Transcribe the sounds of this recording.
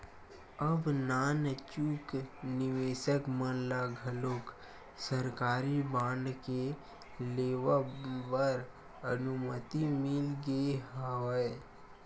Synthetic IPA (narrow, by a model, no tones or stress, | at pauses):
əbnaːnt͡ʃuːknɪʋeːsəkmənlaɡʱəloːk | səɾkaːɾibãːɳɖke | leːʋapəɾ | ənʊmət̪imɪlɡeɦoe